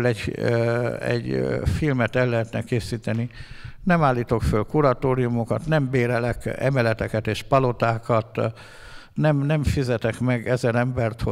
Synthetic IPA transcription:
lɛɟ | ɛ̰ɟfilmɛt̪ɛlːɛɦɛt̪nɛkeːsiːt̪ɛninɛmaːlːiːt̪o̞kfølkuɾɒt̪oːɾijumo̞kɒt̪nɛmbeːɾɛlɛkɛ̰mɛlɛt̪ɛkɛt̪eːʃpɒlo̞t̪aːkɒt̪ | nɛmnɛmfizɛt̪ɛkmɛɡɛzɛnɛmbɛrt̪ho

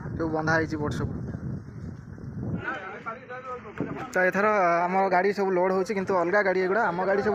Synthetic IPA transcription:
sewbɔnd̪ʱajt͡ʃʰiboʈʰsɔbu | t̪ɔet̪ʰɔɾɔamɔɾɔɡaɽisɔbuloɽɦowt͡ʃʰikint̪uɔlɡaɡaɽieɡuɽaːmɔɡaɽisɔbu

